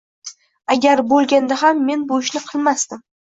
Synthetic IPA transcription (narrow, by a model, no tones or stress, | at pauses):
aɡʲaɾbolˠɡʲand̪aɦamːe̞nboʃnɪqʰɨlˠmast̪ɪm